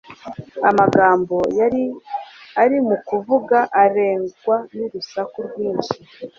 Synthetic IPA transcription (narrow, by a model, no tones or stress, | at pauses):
amaɡaːmbo̞ja | aɾimukuvuɡaʔaɾe̞ːŋɡwanuɾusakuɾɡwiːnʃi